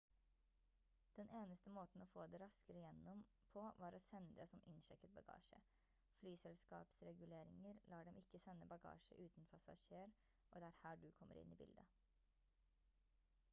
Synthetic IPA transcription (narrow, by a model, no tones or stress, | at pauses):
d̪̥ɛnʔeːnəst̪əmoːt̪n̩ɔfoːd̪ɛɾɑskəɾəjɛnːɔm | pʰɔʋɑːɾɔsɛnːəd̪eːsɔmʔɪnʃɛkːət̪̚bɑɡɑ̰ːʂə̰ | flyːsɛlskɑ̰ːpsɾɛɡʉleːɾɪŋəɾlʔɑːɖɛmɪkːəsɛnːəbɑɡɑ̰ːʂə̰ʔʉːt̪npʰɑsɑ̰ʃeːɾ | ʔɔd̪ɛːæːɾhæːɖʉkʰɔmːə̰ɾɪ̰nːibɪ̰ld̪ə